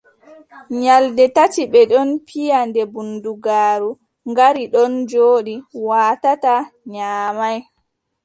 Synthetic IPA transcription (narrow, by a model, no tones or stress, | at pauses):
ɲaldɛtatiɓɛɗɔnpʰijandɛbunduɡaːɾu | ŋɡaɾiɗɔnd͡ʒoːɗiwaːtataɲaːmaj